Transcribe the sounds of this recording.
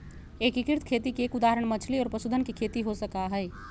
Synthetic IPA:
ekikiɾt̪ʰkʰet̪ikeːkud̪aɦəɾəɳ̃mət͡ʃʰliɔːɾpəsud̪ʱənkekʰet̪iɦosəkaɦəj

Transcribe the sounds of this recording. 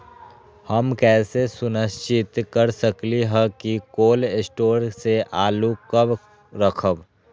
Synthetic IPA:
həmkɛːsesʊnəst͡ʃɪt̪kəɾsəkliɦɛkikoːlɪsʈoːɾseʔaːlukəb | ɾəkʰəb

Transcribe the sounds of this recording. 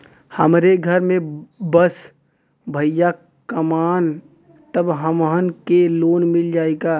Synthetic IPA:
həmɾeɡʱəɾmẽbəs | bʱəjja | kəmaːn | t̪əbɦəmɦənkeloːnmɪld͡ʒaːeɡa

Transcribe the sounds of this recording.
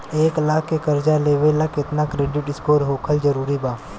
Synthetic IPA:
eːklaːkːekəɾd͡ʒaleːʋelakɪt̪nakɾeːɖɪʈɪskoːɾɦoːkʰəld͡ʒəɾuːɾibaː

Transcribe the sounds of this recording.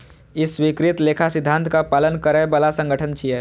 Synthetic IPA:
ɪswikɾɪt̪leːkʰasɪd̪ʱːãnt̪kapaːlənkəɾẽbəlasə̃ŋɡʱəʈʰənt͡ʃʰiɛ

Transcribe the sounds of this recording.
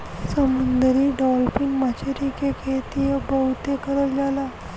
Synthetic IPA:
səmənd̪əɾiːɖɔlfinmat͡ɕaɾikekʰet̪ijəbəwt̪ekəɾəld͡zala

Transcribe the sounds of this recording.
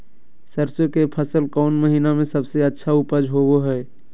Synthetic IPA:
səɾsjokepʰəsəlkɔːnməɦiːnamẽsɐbseɐtːʃʰaupəd͡ʒɦoɡoɦɛː

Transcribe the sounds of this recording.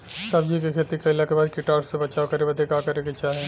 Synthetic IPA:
sɐbd͡ʒikikʰeːt̪ikaɪlakebaːd̪kɪʈaːɾssebɐt͡ʃaːokɐɾebɐd̪ekaːkɐɾekɪt͡ʃʰaɦɛː

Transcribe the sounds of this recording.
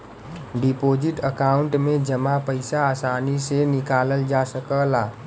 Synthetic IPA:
ɖɪpoːd͡ʒɪʈəkaːʊ̃ɳʈmẽd͡ʒəmapəɪsaaːsaːnisenɪkaːləld͡ʒasəkəlaː

